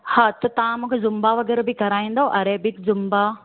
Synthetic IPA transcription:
hat̪t̪ɐʋ̤ãmũːkʰezʊmbaʋɐɡɛːɾbɪkɐɾaːĩːnd̪aːɦõʔɐɾebɪkzʊmba

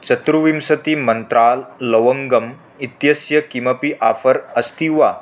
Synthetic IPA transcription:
t͡ʃɐt̪ɾuʋimsɐt̪imɐnt̪ɾaːlːɐʋɐŋɡɐm | it̪jɐsjɐkimɐpiʔaːfɐɾɐst̪iʋa

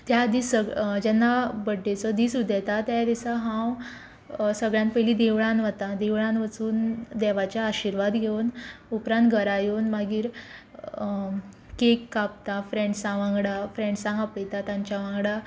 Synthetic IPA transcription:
t̪jad̪iːsəɡd͡ʑɛnːabəɖːet͡sɔd̪iːsud̪ʱɛt̪at̪jad̪isaɦãw | səɡɭjãnpəjlid̪eʋɭãnʋat̪ad̪eʋɭãnʋət͡suːnd̪ɛʋat͡ɕjaːɕiɾʋad̪ɡʱeunupɾãnt̪̚ɡʱəɾajonmaɡiːɾ | kekːap̚t̪afɾeɳɖsãʋãŋɡɽafɾẽɳɖsãɡãpəjt̪at̪ãɲt͡ɕaʋãŋɡɽa

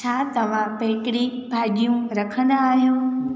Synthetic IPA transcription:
t͡ʃʰat̪ɐʋ̤ãpeːʈɪɽibʱaːɡijũɾəkʰənaːɦjũː

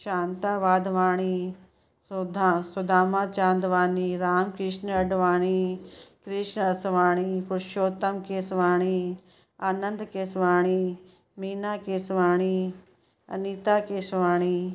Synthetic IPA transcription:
ʃaːnt̪aːʋaːd̪ʋaːɽ̃iː | sd̪asɐd̪ʱaːmaːt͡ʃãːnd̪ʋaːniːɾaːmkɾɪʃnɐɖʱʋaːɽ̃iːkɾɪʃnɐsʋaːɽ̃iːpʊɾʃoːt̪ɐmkeːsʋaːɽ̃iː | aːnənd̪keːsʋaːɽ̃i | miːnaːkeːsʋaːɳ̃iː | ɐ̰niːt̪aːkeːsʋaːɽ̃iː

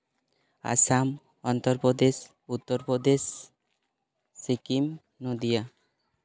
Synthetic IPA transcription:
a̰sam | ɔnt̪ɔɾpɔd̪es | ut̪ːɔɾpɔd̪es | ikim | nod̪ija

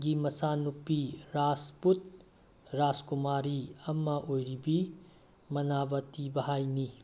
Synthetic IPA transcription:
ɡimɐsanupːiɾasput̚ | ɾaskumaɾiɐmːɐʔojɾibi | mɐnabɐtibɐɦajni

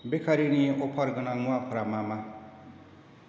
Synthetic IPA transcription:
bekʰaɾinieʔopʰaɾɡʌnaŋuapʰuɾamama

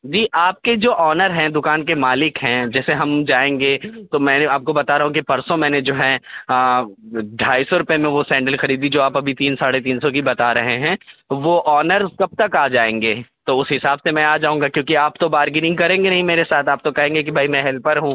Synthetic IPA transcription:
d͡ʒiːʔaːp̚ked͡ʒoːʔɔːnəɾɦɛ̃d̪ʊkaːnkemaːlɪkɦɛ̃d͡ʒɛːseɦɐmd͡ʒaːẽːŋɡet̪omɛ̃ːaːp̚kobɐt̪aɾɐɦũkipɐɾsõmɛ̃ːned͡ʒoːɦɛ̃əːɖʱaːisɔɾʊpjemẽʋosɛ̃ːɳɖəlxɐɾiːd̪id͡ʒoːaːpɐbʱit̪iːnsaːɽet̪̬iːnsɔkibɐt̪aɾɐɦeɦɛ̃ːʋoʔɔːnəɾkɐb̚t̪ɐkaːd͡ʒaːẽːŋɡeːt̪oʊsɦɪsaːbsemɛ̃aːd͡ʒaːɦũːŋɡakjõːkiaːp̚t̪obaːɾɡɪnɪ̃ŋɡkɐɾẽːŋɡenɐɦĩmeːɾesaːt̪ʰaːp̚t̪okɐɦẽːŋɡek̬ibʱaːimɛ̃ɦɛlpɐɾɦũː

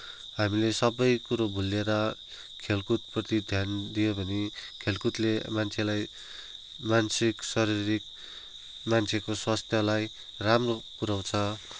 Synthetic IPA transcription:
ɦamilesʌbʌjkuɾobʱulːeɾʌ | kʰelkut̪̚prʌt̪id̪ʱjand̪ijobʱʌnikʰelkut̪lemant͡sʰelaj | mansiksʌɾiɾik̚ | mant͡sʰekoswast̪ʰjʌlaj | ramrokuɾaw̃t͡sʰʌ

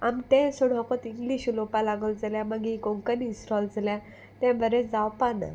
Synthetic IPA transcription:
amt̪ɛ̃suɽ̤ɔkət̪iŋɡliɕlopalaɡəld͡zaljãməɡiɡõŋkənĩsʈɔld͡zljã | t̪ɛ̃bʱəɾɛd͡zawpana̰

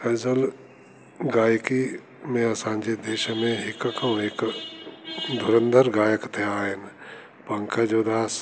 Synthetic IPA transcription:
ɐd͡ʒəl | ɡaːjki | mẽɐsãːɲd͡ʒed̪eːʃmẽɦɪkəkõeːk | d̪ʱʊɾə̃nd̪ʱəɾɡaːjəkt̪ʰeaːen | pɐ̃ŋkʰad͡ʒoːd̪aːs

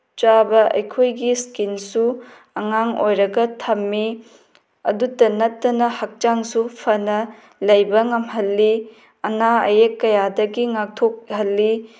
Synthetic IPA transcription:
t͡ʃabɐɐ̰jkʰojɡiskinsu | ɐŋaŋo̰jɾɐɡɐtʰɐmːi | ɐ̰dutɐnɐtːɐnɐhɐk̚t͡ʃaŋsupʰɐnɐ | lɐjbɐŋɐmɦɐlːi | ɐnaɐ̰jekːɐjadɐɡiŋak̚tʰok̚hɐlːi

